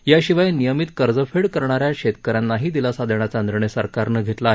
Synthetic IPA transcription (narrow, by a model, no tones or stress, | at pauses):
jaɕiʋajnijəmit̪kəɾd͡zəfeɽkəɾɳaɾjaɕet̪kəɾanːaɦiːd̪ilasad̪ʱəɳ̃at͡sand̪ɾəɳ̃esəɾkaɾnəɡʱet̪laːɦe